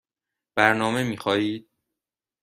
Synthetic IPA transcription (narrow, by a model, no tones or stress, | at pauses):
b̥æɾnɒːme̞miːxɒːjiːd̪̥̚